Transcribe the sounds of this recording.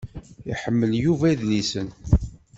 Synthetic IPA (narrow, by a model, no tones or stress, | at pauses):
ḭħəmːəljuvæiðlisən